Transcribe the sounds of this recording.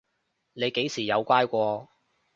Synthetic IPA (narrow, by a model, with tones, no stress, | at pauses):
ne˨˧jke˨˥jsiː˨˩jɐ˨˧wkʷaː˥jkʷɔː˧